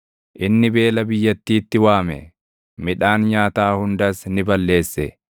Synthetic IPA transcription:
ʔɪnːɪbe̞ːlɐbɪjːɐt̪ːiːt̪ːɪwaːmɛ̰ | mɪᶑaːnɲaːt̪aːhʊnd̪ɐsnɪbɐlːe̞ːsːɛ

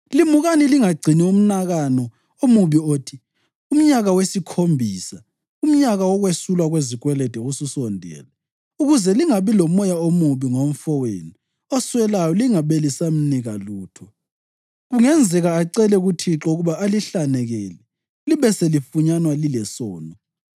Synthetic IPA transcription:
limuɣaniliŋaɡ͡ǀʱinium̩naɣanɔ | omuβioːtʰi | um̩ɲaɣawesikʰombʱiːsa | um̩ɲaɣawɔɣwesulwaɣwezik̬wɛlɛd̥ʱɛɣususɔndʱɛ̰ːla | uɣuzɛliŋaβilɔmɔjaomuβiŋom̩fɔwḛni | ɔswɛlajɔliŋaβelisam̩niɣaluːtʰɔ | ɣuŋɛnd͡zʱɛɣaːǀɛlɛɣutʰiǁɔuɣuβaːliɬanɛɣɛlɛ | liβɛselifuɲanwalilɛsɔːnɔ

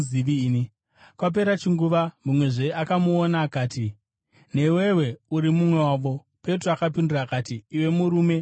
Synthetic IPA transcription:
iʋiːni | kwap̬e̞ɾat͡ʃiŋɡuʋamumwe̞ʐe̞akamuonaːkaːti | ne̞we̞we̞uɾimumwe̞waːʋo̞ | pe̞troakapinduraːkatiːwe̞muɾuːme̞

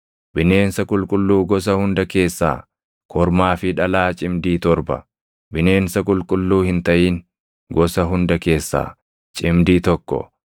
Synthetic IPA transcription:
bɪne̞ːnsɐkʼʊlkʼʊlːuːɡɔs̬ɐhʊnd̪ɐke̞ːsːa̰ː | kʰɔɾmaːfɪᶑɐlaːt͡ʃʼɪmd̪iːt̪ɔɾbɐ̰ | bɪne̞ːnsɐk̬ʼʊlkʼʊlːuːhɪnt̪ɐʔiːŋ | ɡɔsɐɦʊnd̪ɐke̞ːsːa̰ː | t͡ʃʼɪmd̪iːt̪ɔkːɔ̰

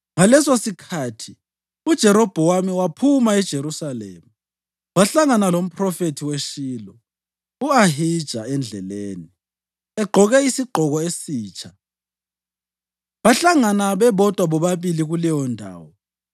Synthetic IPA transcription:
ŋalɛsosikʰaːtʰi | ud̥ʒ̥ʱɛɾɔb̥ʱɔwamiwapʰumaɛd̥ʒ̥ʱeɾusalḛːmu | waɬaŋanalom̩prɔfetʰiweʃiːlɔ | uaɦid̥ʒ̥ʱaɛnd͡ɮʱɛleːni | ɛɡ͡ǃʱɔɣɛisiɡ͡ǃʱɔɣɔesiːt͡ʃʰʼa | βaɬaŋanaβɛβɔtʼwaβɔβaβiliɣulɛjɔndʱa̰ːwɔ

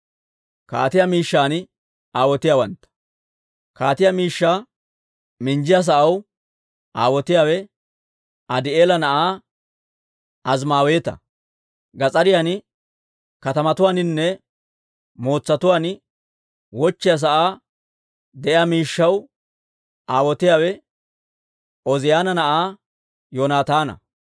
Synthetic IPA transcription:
ka̰ːt̪ɪjamiːʃːaːnɪ | aːwɔt̪ɪjaːwɐnt̪ːɐ̥ | kaːt̪ɪjamiːʃːaː | mɪnd͡ʒɪjas̬ɐʔɐw | ʔa̰ːwɔt̪ɪjaːwɛ | ɐd̪ɪeːlɐnɐʔaː | ɐzmaːwe̞ːt̪ɐ̰ | ɡɐt͡sʼɐɾɪjanɪ | kɐt̪ɐmɐt̪ʊwaːnɪnːɛ | mo̞ːt͡sːɐt̪ʊwaːn | wɔt͡ʃːɪjas̬ɐʔaː | d̪ɛʔjamiːʃːɐw | ʔaːwɔt̪ɪjaːwɛ | ʔɔzɪjaːnɐnɐʔaː | joːnaːt̪aːnɐ̰

